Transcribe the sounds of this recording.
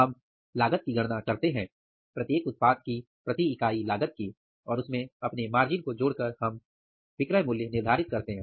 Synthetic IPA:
ɐm | laːɡət̪̚kiɡʱɐɽ̃nakɐɾt̪eɦɛ̃ː | pɾɐt̪jeːkʊt̪̚paːd̪̚ki | pɾɐt̪iɪkaːilaːɡət̪̚ki | ɔːɾʊsmẽɐpnemaːɾd͡ʒɪnkod͡ʒoːɽkɐɾhɐm | bɪkɾəjmuːljənɪɾd̪ʱaːɾɪt̪̚kɐɾt̪eɦɛ̃ː

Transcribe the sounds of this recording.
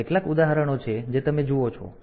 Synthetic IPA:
eʈlakud̪aɦəɾəɽ̃ot͡ʃʰed͡ʒet̪əmed͡ʒuot͡ʃʰɔ̰

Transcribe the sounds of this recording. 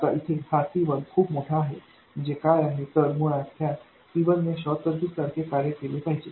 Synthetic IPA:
kaʔit̪ʰehat̪iʋənkʰuːpmɔʈʰaːɦḛ | d͡ʑekajaɦet̪əɾmuɽat̪ʰːja | t̪iʋənneɕɔt̪əɾd̪ik̚saɾkekaɾjəkelipaɦid͡ʒe

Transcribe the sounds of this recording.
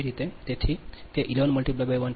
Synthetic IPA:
ɾit̪ed̪eʈʰikeʔilonmulʈiplabewan

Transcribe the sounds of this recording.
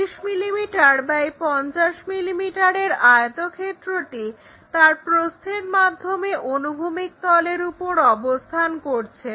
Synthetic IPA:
iʃmilimiʈaɾbajpɔnt͡ɕaʃmilimiʈaɾeɾaot̪okʰet̪ːɾoʈi | t̪aɾpɾost̪ʰeɾmad̪ʱːomeʔonubʱumik̚t̪ɔleɾupoɾɔbost̪ʰankoɾt͡ɕʰe

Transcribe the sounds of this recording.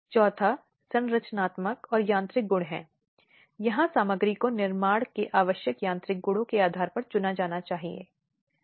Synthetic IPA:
t͡ʃɔːt̪ʰa | sɐ̃nɾɐt͡ʃnaːt̪məkɔːɾjãːnt̪ɾɪk̚ɡʊɽɦɛ̰̃ː | jɐɦãsaːməɡɾikonɪɾmaːɽkeʔaːʋəʃjəkjãːnt̪ɾɪk̚ɡʊɽõkeaːd̪ʱaːɾpɐɾt͡ʃʊnad͡ʒaːnat͡ʃaːɦiḛː

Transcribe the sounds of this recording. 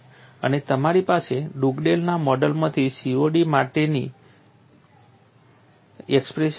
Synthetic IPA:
ə̰net̪əmaɾipaseɖuɡɖelnamɔɖəlmãt̪ʰisioɖimaʈeni | ɛkspɾeʃ

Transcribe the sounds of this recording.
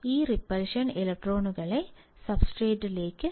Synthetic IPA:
iːɾɪpːɐlʂɐnɪlɐk̚ʈɾoːnɯɣɐɭɐɪ | sɐbsʈɾeːʈːɪleːkːɯ

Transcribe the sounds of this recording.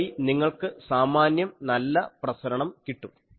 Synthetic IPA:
iniŋːɐɭkɨsaːmaːnjɐmnɐlːɐprɐsɐɾɐɳɐmkiʈːum

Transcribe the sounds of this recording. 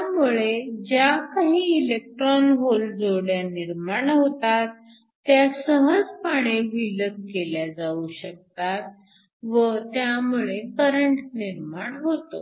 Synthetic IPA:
t̪jamuɭed͡ʑjakaɦiːilek̚ʈɾɔnɦold͡zoɽjaniɾmaɳɦot̪at̪ː | jasəɦəd͡zpaɳ̃eʋiləkkeljad͡zauɕək̚t̪at̪̚ | ʋət̪jamuɭekəɾəɳʈniɾmaɳɦot̪o̰

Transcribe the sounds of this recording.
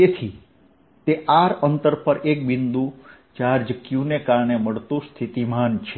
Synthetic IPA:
t̪et̪ʰi | t̪eʔaɾənt̪əɾpəɾek̚bɪnd̪ũ | t͡ʃaɾd͡ʒəkjũnekaɾɳeməɭt̪ũst̪ʰit̪imant͡ʃʰe

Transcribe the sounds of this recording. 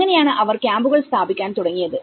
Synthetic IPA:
ɐnɪjaːnɐʔɐʋɐɾkjaːmbɯɣɐɭst̪aːbɪkʲːaːnt̪ʊɽɐŋɡɪjɐðɯ

